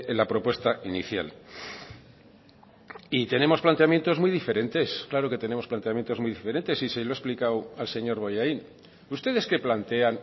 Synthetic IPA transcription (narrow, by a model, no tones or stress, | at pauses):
elapɾo̞pwe̞st̪aʔinḭθja̰l | it̪e̞ne̞mo̞splant̪e̞amje̞nt̪o̞zmujðife̞ɾe̞nt̪e̞sklaɾo̞ke̞t̪e̞ne̞mosplant̪e̞amje̞nt̪o̞zmujðife̞ɾe̞nt̪e̞siseloesplikawalse̞ɲo̞ɾβo̞jain | ust̪e̞ðe̞ske̞plant̪e̞an